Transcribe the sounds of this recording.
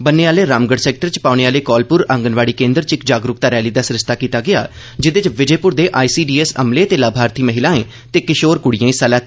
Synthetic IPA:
bəneːaːleːɾaːmɡəɽsɛːk̚ʈəɾt͡ʃpaːɽ̃eːaːleːkɔːlpʊɾə̃ŋɡənʋaːɽiːkẽːnd̪əɾt͡ʃɪkd͡ʒaːɡɾʊkt̪aːɾɛːliːd̪aːsɾɪʃt̪aːkiːt̪aːɡɪja̰ː | d͡ʒɪd̪et͡ʃʋɪd͡ʒeːpʊɾd̪eːʔaːiːsiːɖiːeːsə̰mleːt̪eːlaːbʱaːɾt̪ʰiːməɦɪlaːẽː | t̪eːkɪʃoːɾkʊɽijãːisəːlaː

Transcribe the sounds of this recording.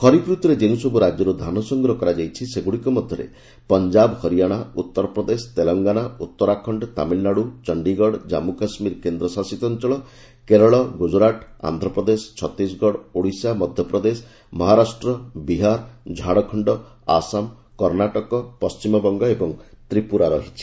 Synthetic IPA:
kʰɔɾipɾut̪uɾed͡ʒeũsɔbuɾad͡ʒjɔɾud̪ʱanɔsɔŋɡɾɔkɔɾad͡ʒajt͡ʃʰiseɡuɽikɔmɔd̪ʱjɔɾḛ | pɔnd͡ʒabhɔɾijaɽ̃aut̪ːɔɾɔpɾɔd̪esɔ̥t̪elɔŋɡanaut̪ːɔɾakʰɔɳɖɔt̪a̰minːaɽut͡ʃɔɳɖiɡɔɽd͡ʒa̰mukasmiɾkend̪ɾɔsasit̪ɔnt͡ʃɔɭɔ | keɾɔɭɔɡud͡ʒɾaʈa̰nd̪ʱɾɔpɾɔd̪esɔ̥t͡ʃʰɔt̪isɡʱɔɽoɽisamɔd̪ʱjɔpɾɔd̪esɔ | mɔɦaɾasʈɾɔbiɦaɾd͡ʒʱaɽɔkʰɔɳɖɔ | a̰sam | kɔɾnaʈɔkɔpɔst͡ʃimɔbɔŋɡɔebɔŋ | t̪ɾipuɾaɾɔɦit͡ʃʰi̥

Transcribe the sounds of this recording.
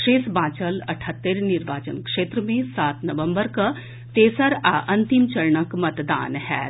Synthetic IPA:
ʂeːsbãːt͡ʃəlɐʈʰət̪ːeɾniɾʋaːt͡ʃənkʂeːt̪ɾəmẽsaːt̪nɐʋə̃mbəɾkɐ | t̪eːsɐɾaːʔɐ̃nt̪imt͡ʃɐɾɳəkmɐt̪d̪a̰ːnɦɛ̰ː

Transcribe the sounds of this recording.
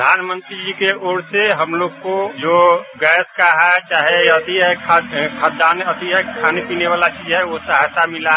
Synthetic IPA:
əd̪ʱaːnmə̃nt̪ɾid͡ʒiːkeoːɾseɦəmloːɡkod͡ʒoːɡɛːskaɦɛt͡ʃaːɦeət̪iɦɛkʰakʰaːt̪̚d̪aːnət̪iɦɛkʰaːnepiːneʋaːlat͡ʃiːd͡ʒɦɛʋosaɦt̪amɪlaɦ

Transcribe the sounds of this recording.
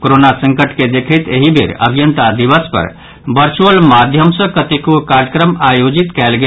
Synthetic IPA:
koɾonasə̃ŋkəʈked̪ekʰɛt̪eɦibʱḭɾə̰bʱjənt̪ad̪iβəspə̰ɾ | bəɾt͡ʃuəlmad̪ʱjəmsə̃kət̪ikokaɾjəkɾəmajod͡ʒit̪kɛlɡe

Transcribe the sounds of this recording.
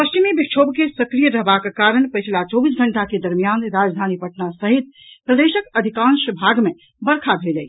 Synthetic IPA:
pəst͡ʃimibikt͡ʃʰobkesəkɾijəɾəɦbakkaɾəɳpət͡ʃʰlat͡ʃɔbis̬ɡʱəɳʈaked̪əɾmijanɾad͡ʒd̪ʱanipəʈnasəɦit̪̚ | pɾəd̪esəkəd̪ʱikãnsəbʱaɡme | bəɾkʰabʱelɛj

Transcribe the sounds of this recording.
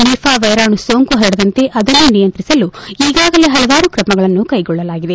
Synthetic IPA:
nipʰaːʋɐjɾaːɳusoːŋkuɦɐɾɐɽɐd̪ɐnt̪e̞ʔɐd̪ɐnːunijɐnt̪ɾisɐluiːɡaːɡɐle̞ɦɐlɐʋaːɾukɾɐmɐɡɐɭɐnːukɐjɡɔɭːɐlaːɡid̪e̞

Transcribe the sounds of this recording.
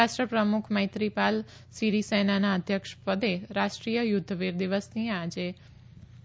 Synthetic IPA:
aʃʈɾəpɾəmukʰməjt̪ɾipal | siɾisenanaəd̪ʱjəkʃpəd̪eɾaʃʈɾijəjʊd̪ʱːʋiɾd̪iʋəsnĩad͡ʒe

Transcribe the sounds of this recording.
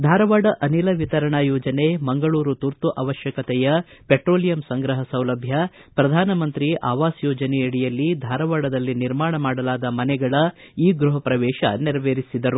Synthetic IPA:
d̪ʱaːɾɐʋaːɽɐʔɐnilɐʋit̪ɐɾɐɳajɔːd͡ʒɐne̞mɐŋɡɐɭuːɾut̪uɾt̪uʔɐʋɐʃjɐkɐt̪ɛjɐpeʈɾoːlijɐmsɐŋɡɾɐɦɐsɐwlɐbʱjɐpɾɐd̪ʱaːnɐmɐnt̪ɾiʔaːʋaːsjɔːd͡ʒɐnɛjɐɽijɐlːid̪ʱaːɾɐʋaːɽɐd̪ɐlːiniɾmaːɳɐmaːɽɐlaːd̪ɐmɐnɛɡɐɭɐ | iːɡɾuɦɐpɾɐʋɛːʃɐ̰niɾɐʋeːɾisid̪ɐɾu

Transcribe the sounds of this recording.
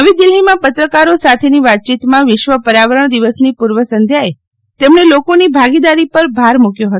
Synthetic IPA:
əʋid̪ɪlɦimãpət̪ɾəkaɾosat̪ʰeniʋat̪̚t͡ʃit̪mãʋɪʃʋəpəɾaʋəɾəɳ̃d̪iʋəsnipuɾʋəsənd̪ʱjae | t̪emɳelokonibʱaɡid̪aɾipəɾbʱaɾmukjoɦət̪

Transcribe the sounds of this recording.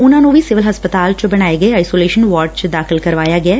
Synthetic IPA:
ʊnãːnũʋʱisɪʋɪlɦɐspət̪aːlt͡ʃbɐɽ̃aːeɡəeaːɪsoːleːʃənʋaːʈ̚t͡ʃd̪aːxʰɪlkɐɾʋaːjaːɡɪaː

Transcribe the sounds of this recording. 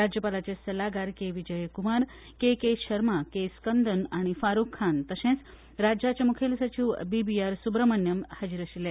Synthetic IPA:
ɾad͡ʑjəpalat͡ɕesəlaɡaɾkeʋid͡ʑəjkumaɾ | kekeɕəɾmakeskənd̪ʱənaɽ̃ifaɾukʰːant̪əsẽt͡s | ɾad͡ʑjat͡ɕemukʰelsət͡ɕiʋbibiaɾsubɾəmənjəmhad͡ʑiɾəɕile

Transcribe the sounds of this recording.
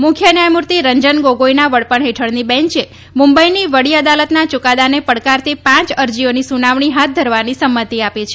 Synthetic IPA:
mʊkʰjənjajmuɾt̪iɾəɲd͡ʒənɡoɡoinaʋəɽpəɳɦeʈʰəɽnibɛ̃ɲt͡ʃe | mumbəiniʋəɽiəd̪alət̪nat͡ʃʊkad̪anepəɽkaɾt̪epãt͡ʃəɾd͡ʒionisunaʋɳ̃iɦat̪̚ʰd̪ʱəɾʋanisəmːət̪iapet͡ʃʰe

